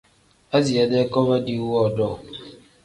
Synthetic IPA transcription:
a˦zi˨a˦dɛ˦kɔ˦ba˦di˦wɔ˦˨dɔ˦˨

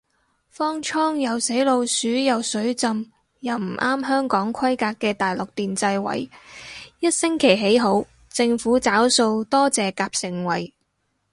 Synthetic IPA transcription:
fɔː˥ŋt͡ʃʰɔː˥ŋjɐ˨wse˨˥jlo˧wsyː˨˥jɐ˨˩wsɵ˨˥ɥt͡sɐ˧m | jɐ˨wm̩˨˩ʔaː˥mɦœː˥ŋkɔː˨˥ŋkʰɐ˥jkaː˧kːɛː˧t̪aː˨jlʊ˨k̚t̪iː˨nt͡sɐ˧jwɐ̰˨˥j | jɐ˥t̚sɪ˥ŋkʰe˨˩jɦe˨˥jɦo˨˥w | t͡sɪ˧ŋfuː˨˥t͡saː˨˥wso˧wt̪ɔː˥t͡sɛː˨kaː˧p̚sɪ˨ŋwɐ˨˥j

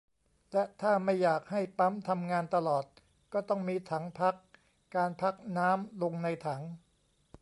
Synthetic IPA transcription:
lɛ˦˥t̪ʰaː˥˩ma˥˩jːaː˨˩k̚ha˥˩jpa˦˥mt̪ʰa˧mŋaː˧nt̪a˧lɔː˨˩t̪̚ | kɔː˥˩t̪ɔ˥˩ŋmiː˧t̪ʰa˩˦ŋpʰa˦˥kː | aː˧npʰa˦˥k̚naː˦˥mlo˧ŋna˧jt̪ʰa˩˦ŋ

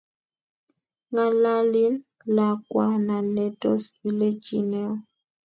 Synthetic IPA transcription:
ŋa˨la˦li˦n | la˨kwa˦na˨nɛ˨tɔ˦si˨le˦t͡ʃi˨nɛ˦ɔ˦

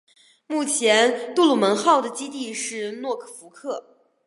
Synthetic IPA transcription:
mu˥˩t͡ɕʰjɛ˧˥nt̪u˥˩lu˨˩mə˧˥nxɑ˥˩ʊd̪ə˩t͡ɕi˥t̪i˥˧ʂɻ̩˥˩˧nwɔ˥˩kʰɤ̥˨˩fu˧˥kʰɤ˥˩

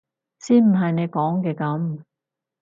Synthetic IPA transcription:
siː˥nm̩˨˩ɦɐ˨jne˨˧jkɔː˨˥ŋkɛː˧kɐ˨˥m

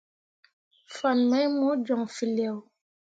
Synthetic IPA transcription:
fa˨nmɛ˦mɔ˦d͡ʒɔ˨ŋfi˨lɛ˨w

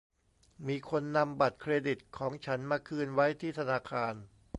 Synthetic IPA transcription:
miː˧kʰo˧nːa˧mba˨˩t̪̚kʰɾeː˧di˨˩t̪̚kʰɔː˩˦ŋt͡ɕʰa˦˥nmaː˧kʰɯː˧nwa˦˥jt̪ʰiː˥˩t̪ʰa˧naː˧kʰaː˧n

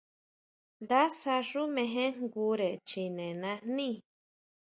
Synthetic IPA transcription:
nd̪a˦sa˧ʐu˦mẽ˧ɦẽ˦ŋɡu˧˦ɾe˨t͡ʃi˨nẽ˨nã˧nĩ˦˨

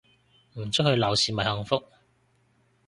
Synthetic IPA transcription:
m̩˨˩t͡s̚ʰhɵ˧ɥlɐ˨˩wsiː˨mɐ˨˩jhœ˧ŋfʊ˥k̚

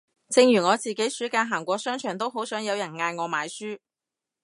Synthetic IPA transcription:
t͡sɪ˧ŋjyː˨˩ŋɔː˨˧t͡siː˨ke˨˥jsyː˨˥kaː˧nɦaː˨˩ŋkʷɔː˧sœː˥ŋt͡ʃʰœː˨˩ŋt̪o˥wɦo˨˥wsœː˨˥ŋjɐ˨˧wjɐ˨˩nŋaː˧jŋɔː˨˧maː˨˧jsyː˥

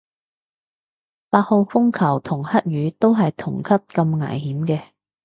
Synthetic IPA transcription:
paː˧t̚ho˨wfʊ˥ŋkʰɐ˨˩wt̪ʰʊ˨˩ŋhɐ˥t̚ɥyː˨˧t̪o˥wɦɐ˨jt̪ʰʊ˨˩ŋkʰɐ˥p̚kɐ˧mŋɐ̰ː˨˩jhiː˨˥mkɛː˧

